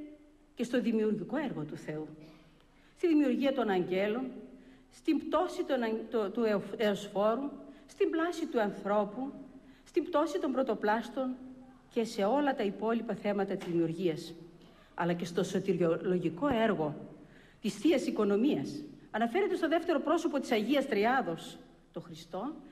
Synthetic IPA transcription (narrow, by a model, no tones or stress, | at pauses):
ce̞st̪o̞ðimiuɾʝiko̞eɾɣo̞t̪uθe̞u | st̪iðimiuɾʝiɐt̪o̞nɐɲɟe̞lo̞nst̪imbt̪o̞sit̪onɐt̪t̪ueosfo̞ɾust̪imblɐsit̪uɐnθɾo̞pu | st̪imbt̪o̞sit̪o̞mbɾo̞t̪o̞plɐst̪o̞n | ce̞se̞o̞lɐt̪ɐipo̞lipɐθe̞mɐt̪ɐt̪izðimiuɾʝiɐs | ɐ̰lɐce̞st̪o̞so̞t̪iɾolo̞ʝiko̞eɾɣo̞ | t̪isθiɐsiko̞no̞miɐsɐnɐfe̞ɾet̪e̞st̪oðeft̪e̞ɾo̞pɾo̞so̞po̞t̪i̥sɐʝiɐst̪ɾiɐðo̞s | t̪o̞xɾist̪o̞